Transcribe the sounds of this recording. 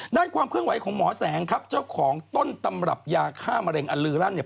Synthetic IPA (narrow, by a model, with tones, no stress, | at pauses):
daː˥˩nkʰwaː˧mkʰɯ˥˩əŋwa˩˦jkʰɔː˩˦ŋmɔː˩˦sɛː˩˦ŋkʰa˦˥p̚t͡ɕa˥˩wwkʰɔː˩˦ŋt̪o˥˩nt̪a˧mɾa̰˨˩p̚jaː˧kʰaː˥˩ma˧ɾe˧ŋʔa˧lɯː˧ɾaː˥˩nːi˧˩